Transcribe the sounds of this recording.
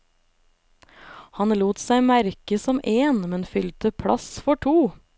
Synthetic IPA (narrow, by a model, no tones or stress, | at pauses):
hɑnluːt̪sæɪmæɾkəsɔmʔeːnmɛnfʏlt̪əpʰɽɑ̰sfɔʈʰuː